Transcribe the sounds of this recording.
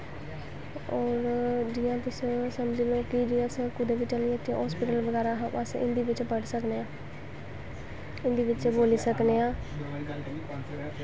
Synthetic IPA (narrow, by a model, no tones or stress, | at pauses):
ɔːɾd͡ʒijãːt̪ʊsesəmd͡ʒiloːkid͡ʒiãːsekʊd̪ebiːt͡ʃəliẽt̪ĩɦɔːspɪʈəlʋəɡɛːɾaɦãbasɪ̰̃nd̪iːʋɪt͡ʃpəɽsəkneːãː | ɪ̃nd̪iːʋɪt͡ʃboːliːsəkneːãː